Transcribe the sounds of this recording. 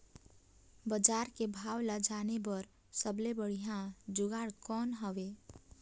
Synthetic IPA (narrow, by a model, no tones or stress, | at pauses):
bəd͡ʒaːɾkebʱaːwləd͡ʒaːnebəɾ | səblebəɽ̤ijãd͡ʒʊɡaːɽkɔnɦəʋe